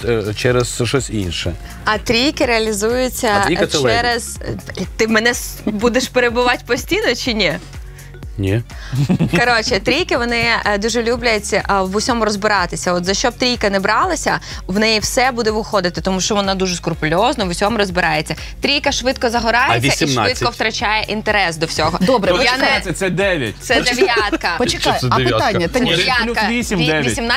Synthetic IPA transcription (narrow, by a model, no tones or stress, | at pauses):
t͡ʃɛɾɛzʃɔsʲḭnʃɛ̰ | ɐt̪ɾʲijkɪɾeɐlʲizujʊt͡sʲːɐt͡ʃɛɾɛz̥t̪ɪmɛnɛsbud̪eʃpeɾebʊʋɑtʲpɔsʲtʲijnɔt͡ʃɪnʲi | nʲi | kɔɾɔt͡ʃɪt̪ɾʲijkɪʋɔnɪd̪uʒɛlʲublʲʊjet͡sʲɐʔʋʊsʲɔmʊɾɔzbɪɾɑt̪ɪsʲɐɔt̪zɐʃt͡ʃɔb̚t̪ɾʲijkɐnɛbɾɑlˠɐsʲɐ | ʋnɛjiwsɛbud̪ɛʋɪxɔd̪ɪt̪ɪt̪ɔmuʃt͡ʃɔʋɔnɑd̪uʒɛskʊrpʊlʲɔznɔʋʊsʲɔmʊɾɔzbɪɾɑjet͡sʲːɐ | t̪ɾʲijkɐʃʋɪt̪̚kɔzɐɦɔɾɑjʲiːɐsʲmʃɪt̪̚kɔwt̪ɾɐt͡ʃajɛʔint̪eɾɛsd̪ɔwsʲɔɦɔd̪ɔbɾɛjanɛɐsɛd̪ɛʋʲjɐ̰t̪ʲsɛd̪eʋʲjjat̪̚kɐpɔt͡ʃɪkjɐpɪt̪anʲːɐɛjalʲukɐʋʲisʲimd̪ɛjsʲimn